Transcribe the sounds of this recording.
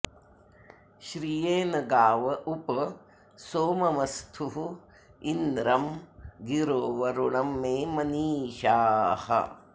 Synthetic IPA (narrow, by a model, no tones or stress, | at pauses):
ʃɾijeːnɐɡaːʋɐʔupɐ | soːmɐmɐst̪ʰuɦ | ind̪ɾɐmɡiɾoːʋɐɾuɳɐmːeːmɐniːʃaːhɐ̰